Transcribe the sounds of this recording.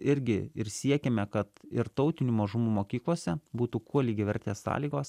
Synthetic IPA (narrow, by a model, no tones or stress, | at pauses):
ɪɾʲɡʲɪɪɾsʲiɛkʲeːmʲɛkɐt̪ɪɾt̪ɒʊt̪ʲɪnʲuːmɐʒʊmuːmoːkʲiːklˠoːsʲɛbuːt̪ukuɔlʲiːɡʲɪʋʲɛɾʲt̪ʲeːssɑ̰ːlʲiːɡoːs